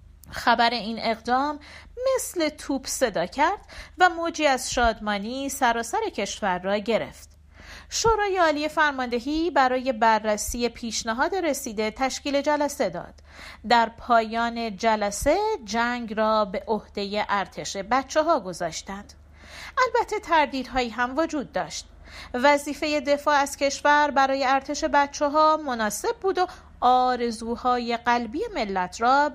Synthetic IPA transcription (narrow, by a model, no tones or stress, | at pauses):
xæbæɾe̞iːne̞ɣd̪ɒːmːe̞sle̞t̪ʰuːbse̞d̪ɒːcʰæɾd̪̥væmoːd͡ʒiːæzʃɒːd̪mɒːniːsæɾɒːsæɾe̞cʰe̞ʃvæɾːɒːɟe̞ɾe̞̰ft̪ | ʃoːɾɒːje̞ɒːliːje̞fæɾmɒnd̪e̞ɦiːbæɾɒːje̞bærːæsiːje̞pʰiːʃnæɦɒːd̪e̞ɾe̞siːd̪e̞t̪ʰæʃciːle̞d͡ʒælæsed̪ɒ̰ːd̪̥ | d̪æɾpʰɒːjɒːne̞d͡ʒælæse̞d͡ʒæŋɡrɒːbe̞ʔohd̪̥e̞je̞ʔæɾt̪ʰe̞ʃe̞bæt̪t͡ʃʰːeɦɒːɡo̞zɒːʃt̪ænd̪̥ | ʔælbæt̪ʰːe̞t̪ʰæɾd̪iːd̪ɦɒːiːɦæmvo̞d͡ʒuːd̪̚ːɒːʃt̪ | væziːfe̞je̞d̪e̞fɒːæz̥cʰe̞ʃvæɾbæɾɒːje̞æɾt̪ʰe̞ʃe̞bæt̪̚t͡ʃʰːeɦɒːmo̞nɒːse̞b̚buːd̪o̞ | ɒːɾe̞zuːhɒːje̞ɢælbiːje̞me̞lːæt̪ʰrɒː